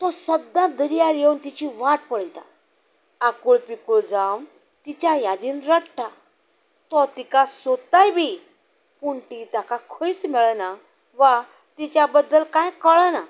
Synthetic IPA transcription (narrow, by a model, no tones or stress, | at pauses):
t̪ɔsəd̪ãd̪əɾijaɾjeunt̪it͡ɕiʋaʈpəɽjt̪a̰ | akuɭpikuɭd͡zam | t̪it͡ɕajad̪iːnɾəɽʈa | t̪ɔt̪ikasot̪ajbʱi | puɳʈ̪it̪akakʰoit͡smɛɭəna | ʋa | t̪it͡ɕjabəd̪ːəlkãjkəɭəna